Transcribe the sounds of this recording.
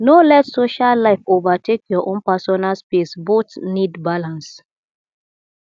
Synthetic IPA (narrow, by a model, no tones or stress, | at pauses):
nolɛtsoʃallaɪfovatekʰjɔʔɔ̃npasɔnalspesbotnidbalãns